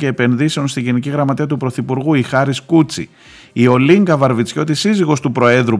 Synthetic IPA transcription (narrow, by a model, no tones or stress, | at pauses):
ce̞ːpe̞nðise̞o̞nst̪iɟiniciɣɾɐmɐt̪iɐt̪upɾo̞θipuɾɣuixɐɾiskut͡sḭ | io̞liŋɡɐvɐɾvit͡sço̞t̪isiziɣo̞st̪upɾo̞e̞ðɾu